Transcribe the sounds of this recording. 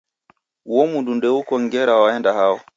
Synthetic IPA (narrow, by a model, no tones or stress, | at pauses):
wɔmundundɛukɔŋɡɛɾawaɛndahawɔ